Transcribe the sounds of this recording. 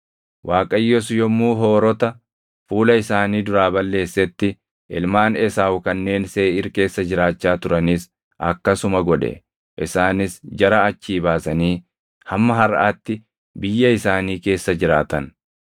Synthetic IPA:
wʔaːkʼɐjːɔsʊjɔmːuːɦoːɾɔt̪ɐ | fuːlɐɪsaːniːd̪ʊɾaːbɐlːe̞ːsːɛt̪ːɪ | ɪlmaːnɛsaːwʊkɐnːe̞ːnse̞ːɪɾke̞ːsːɐd͡ʒɪɾaːt͡ʃːaːt̪ʊɾɐniːs | ʔɐ̰kːɐsʊmɐɡɔᶑɛ̰ | ʔɪsaːnɪsd͡ʒɐɾɐːt͡ʃːiːbaːsɐniː | hɐmːɐɦɐɾʔaːt̪ːɪ | bɪjːɐɪsaːniːke̞ːsːɐd͡ʒɪɾaːt̪ɐn

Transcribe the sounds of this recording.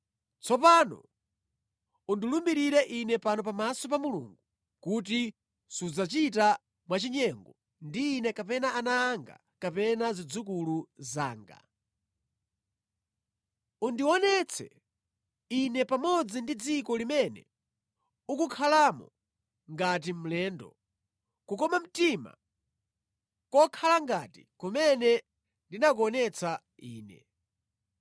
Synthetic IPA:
t͡sʰɔpanɔ̰ | undilumbiɾiɾɛʔinɛpanɔp̬amasɔpamulṵŋɡu | kut̬i | sud͡zat͡ʃita | mwat͡ʃiɲɛŋɡɔ | ndiːnɛkapɛnaʔanaːŋɡa̰ | kapɛnazid͡zuk̬uluza̰ːŋɡa̰ | undiɔnɛt͡sʰɛ̰ | inɛpamɔd͡zindid͡zikɔlimɛnɛ̰ | ukukʰalaːmɔ̰ | ŋɡat̬im̩lɛːndɔ̰ | kukɔmam̩tima̰ | kɔkʰalaŋɡatḭkumɛnɛ | ndinak̬uɔnɛt͡sʰa | iːnɛ̰

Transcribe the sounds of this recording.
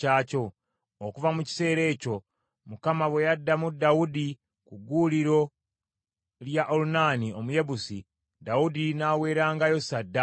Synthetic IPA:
aːco̞ː | kuvamuci̥se̞ːɾe̞ːco̞ | mukamaβwe̞jadːamudaudi | kuɡuːliɾo̞ | ljaʔolunaːnio̞muje̞βusi | daudinaːwe̞ːɾaːŋɡajo̞sadːa

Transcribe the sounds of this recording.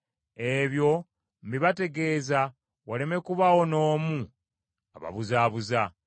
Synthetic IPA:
e̞βjo̞ | m̩biβate̞ɡe̞ːza | wale̞me̞kuβawo̞no̞ːmu | aβa̰βuzaːβuza

